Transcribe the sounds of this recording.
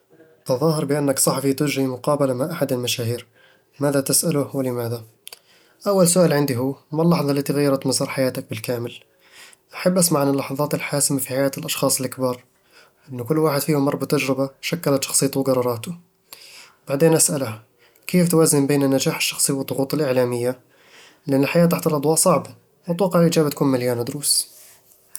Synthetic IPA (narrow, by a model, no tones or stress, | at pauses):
t̪ɑðˤɑːɦɑɾˤbɪʔanːaksˤɑħɑfit̪ʊd͡ʒɾimʊqɑːbalamaʕʔaħad̪ɪlmaʃaːhiːɾ | maːðat̪ɪsʔalʊwɪlɪmaːða | ʔawːalsʊʔaːlʕɪnd̪iɦuːmalːɑħðˤɑlːat̪iɣajːɑɾˤɑt̪mazɑɾˤħajaːt̪ak̚bɪlkaːmɪl | ʔaħabːʔasmaʕanɪlːɑħɑðˤɑːt̪ɪlħaːsɪmafiħajaːt̪ɪlʔɑʃxɑːsˤɪlʔakbɑːɾˤ | ʔɪnːʊkʊlːwaːħɪd̪̥fiːhamɑɾˤbat̪ːad͡ʒɾɪbaʃakːalat̪ʃɑ̥xsˤijːt̪uwɡɑɾˤɑɾˤɑːt̪ʊ | wbaʕd̪eːnʔasʔalha | keːft̪waːzɪmbeːnanːad͡ʒaːħɪ̥ʃːɑ̥xsˤiwəd̪ˤːʊɣuːt̪ˤɪlʔɪʕlaːmɪjːa | lʔɪnːɪlħajaːt̪aħt̪alʔɑd̪ˤwɑːʔsˤɑʕba | wɪt̪wɑqːɑʕlʔid͡ʒaːbat̪kuːnmɪljaːnad̪ʊɾuːs